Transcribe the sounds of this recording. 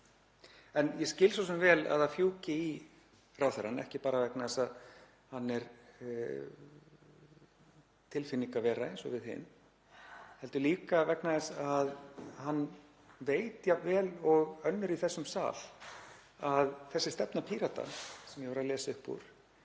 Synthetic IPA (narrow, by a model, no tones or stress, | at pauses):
ɛnjɛscɪːlsɔs̬ɛmvɛːla̰ðaðfjuːcɪi | raːwθɛɾanɛhcɪpaːɾavɛknaðɛsað | hanːɛɾ | t̪ʰɪlfɪniŋkavɛːɾaejnsɔ̰vɪðɦɪ̰n | hɛlt̪ʏliːkavɛknaðɛsaðhanː | veːjt̪javɛːlɔɣœnːʏɾiθɛsːʏmsa̰ːl | aðθɛsːɪst̪ɛpnapʰiːɾat̪a̰sɛmjɛvaɾaðlɛːsʏhpːṵɾ̥